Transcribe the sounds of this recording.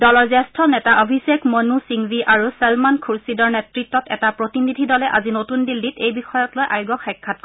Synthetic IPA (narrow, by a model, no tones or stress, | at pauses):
dɔlɔɹzɛstʰɔnɛtaʔobʱisɛkmonusiŋbiʔaɹusɛlmankʰuɹsidɔɹnɛtɹitːɔtɛtapɹotinidʱidɔlɛʔa̰zinotundilːitejbixɔjɔtlojʔajɡɔxɛkʰːat̚k